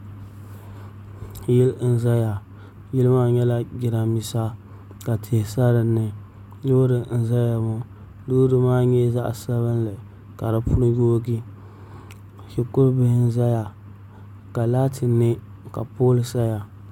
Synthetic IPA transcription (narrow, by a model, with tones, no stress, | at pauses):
jɪ˦ln̩˦za˦ja˨ | jɪ˦lɨ˦maː˦ɲɛ˦la˦ɡʲɪ˨ɾa˨mi˨sa˦ | ka˨tʰɪ˨hɪ˨sa˦ɾɨ˨nːɨ˨ | jo˦ɾɨ˨n̩˦za˦ja˨mʊ˦ | duː˦dɨ˦maː˦ɲɛ˦za̰˦ʔsa˦βɨ˦n˦lɨ˨ | ka˨dɨ˦pʊ˦ɾɨ˦joː˦ɡi˦ | hɪ˨kʊ˦ɾbɪ˦hɪ˦n˦za˦ja˨ | ka˨la˦tʰɪ˨nːɨ˦ | ka̰˨poː˦lɨ˨sa˦ja˨